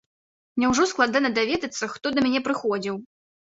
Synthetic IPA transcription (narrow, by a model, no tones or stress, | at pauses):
mnʲɛwʐɔsklˠad̪anɐd̪avʲɛd̪ɐt̪sːɐxt̪ɔd̪ɐmʲanʲɛpɾɨxɔd͡zʲiw